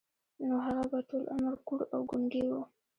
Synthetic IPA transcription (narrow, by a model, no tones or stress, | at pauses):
noɦaɣabaʈolʔa̰maɾkuɽawɡʊŋɡewu